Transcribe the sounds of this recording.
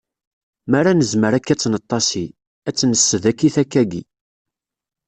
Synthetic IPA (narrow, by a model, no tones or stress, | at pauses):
mæɾanəzməɾækːæt͡sːnət̪ˤːɑsi | æt͡sːnəsːəðækːiθækːæɡi